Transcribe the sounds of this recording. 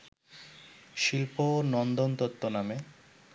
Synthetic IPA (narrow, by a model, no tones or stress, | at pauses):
ʃilponɔnd̪ont̪ot̪ːoname